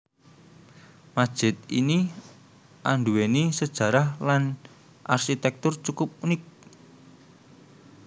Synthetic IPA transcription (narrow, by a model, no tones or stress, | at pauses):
mad̥ʒ̥ɪ̤t̪̚ini | ʔaɳɖuwenisəd̥ʒ̥ä̤ɾahlan | ʔarʃit̪ɛk̚t̪ʊrt͡ʃukʊp̚unɪk̚